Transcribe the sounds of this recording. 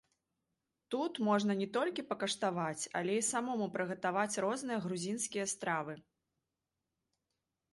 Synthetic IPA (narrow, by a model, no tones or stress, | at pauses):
t̪ut̪mɔʐnɐnʲɛt̪ɔlʲkʲipɐkɐʂt̪avat͡sʲɐ̰lʲɛisamɔmupɾɨɣɐt̪avat͡sʲrɔznɨjɐɣɾuzʲinskʲijɐst̪ɾavɨ